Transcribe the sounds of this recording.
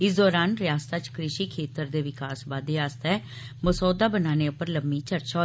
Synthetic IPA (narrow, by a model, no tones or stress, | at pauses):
ɪsd̪ɔːɾaːnɾɪjaːst̪at͡ʃkɾɪʃiːkʰeːt̪əɾd̪eːʋɪkaːsbaːd̪eaːst̪ɛɛ | məsɔːd̪aːbənaːneːʊpːəɾləmːiːt͡ʃəɾt͡ʃaː